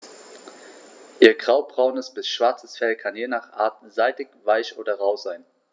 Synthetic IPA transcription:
ʔiːɐɡʁaʊbʁaʊnəsb̥ɪsʃv̥aɐt͡səsfɛlkʰanjeːnaːχʔa̰ːɐt̚z̥aɪtɪkv̥aɪçʔoːdɐʁaʊzaɪn

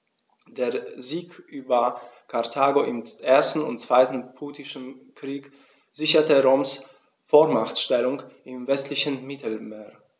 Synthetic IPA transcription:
d̥eːɐziːkʔyːbɐkʰaɐtʰaːɡoʔɪmʔeːɐstn̩ʊ̰ntt͡sv̥aɪtn̩pʰuːtɪʃn̩kʁ̥iːk | z̥ɪçɐtəʁoːms | foːɐmaχtʃtɛlʊŋʔɪmvɛstlɪçənmɪtl̩meːɐ

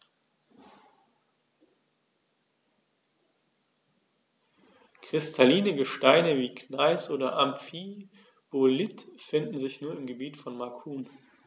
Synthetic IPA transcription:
kʁ̥ɪstʰaliːnəɡəʃtaɪnəviːknaɪsʔoːdɐʔamfi | b̥olɪtfɪndn̩zɪçnuːɐɪmɡəbiːtfɔnmakʰuːn

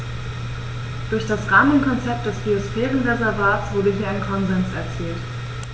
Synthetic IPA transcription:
d̥ʊɐçd̥asʁaːmənkʰɔnt͡sɛp̚t̚d̥ɛsb̥iosfɛːʁənʁezɛɐvaːtt͡sv̥ʊɐdəɦiːɐaɪnkʰɔnzɛnsɛɐt͡siːlt

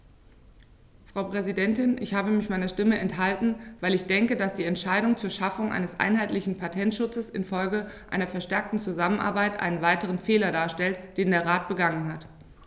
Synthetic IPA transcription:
fʁ̥ɑʊpʁ̥ɛzidɛntɪnʔɪ̰çhaːbəmɪçmaɪnɐʃtɪməʔɛnthaltn̩vaɪlɪçd̥ɛŋkədasd̥iːɛntʃaɪɾʊŋt͡suːɐʃafʊŋʔa̰ɪnəsʔa̰ɪnɦaɪtlɪçn̩pʰatʰɛntʃʊt͡səsɪ̰nfɔlɡəʔaɪnɐfɛɐʃtɛɐk̚tn̩t͡suzamənʔa̰ɐbaɪtʔa̰ɪnənvaɪtəʁ̞ənfeːlɐdaːɐʃtɛltd̥eːndeːɐʁaːt̚b̥əɡaŋənɦat

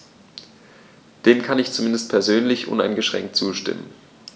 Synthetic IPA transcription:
d̥eːmkʰanɪçt͡sumɪndəst̚pʰɛɐzøːnlɪçʔʊ̰na̰ɪnɡəʃʁ̥ɛ̰ŋk̚tt͡suːʃtɪ̰mə̰n

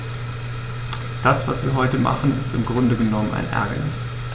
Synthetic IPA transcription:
d̥asv̥asv̥iːɐɦɔʏtəma̰χn̩ɪstɪmɡʁʊndəɡənɔməna̰ɪnʔɛ̰ɐɡanɪs

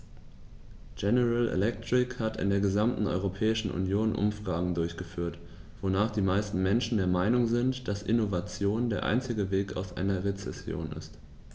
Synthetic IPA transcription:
ɡ̥ɛnəʁalḛlɛk̚tʁ̥ɪkhatɪ̰ndeːɐɡəzamtn̩ʔɔ̰ʏʁopʰɛːɪʃn̩ʔʊ̰njoːnʔʊ̰mfʁ̥aːɡŋ̩dʊɐçɡ̥əfyːɐt | v̥onaːχd̥iːmaɪstn̩mɛnʃn̩deːɐmaɪnʊŋzɪntd̥asʔɪ̰novat͡sjoːndeːɐʔa̰ɪnt͡sɪɡəveːka̰ʊsʔa̰ɪnɐʁet͡sɛsjo̰ːnɪ̰st

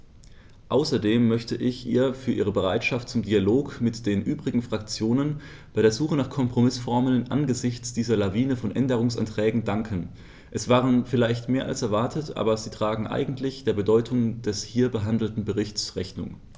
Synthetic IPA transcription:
ʔaʊsɐdeːmːœçtəʔɪçʔḭːɐfyːɐʔiːʁəbəʁ̞aɪtʃaftt͡sʊmdialoːkmɪtd̥eːnʔyːbʁɪɡŋ̩fʁ̥ak̚t͡sjoːnən | b̥aɪɾeːɐzuːχənaːχkʰɔmpʁ̥omɪsfɔɐməlnʔa̰nɡəzɪçt͡sd̥iːzɐlaviːnəfɔnʔɛ̰ndəʁ̞ʊŋsa̰ntʁ̥ɛːɡŋ̩daŋkʰən | ʔɛsv̥aːʁ̞ənfɪlaɪçtmeːɐʔa̰lsɛɐvaɐtʰətʔa̰ːbɐziːtʁ̥aːɡŋ̩ʔa̰ɪɡŋ̩tʰlɪçd̥eːɐbədɔʏtʰʊŋd̥ɛshiːɐbəɦandl̩tn̩bəʁɪçtt͡sʁɛçnʊ̰ŋ

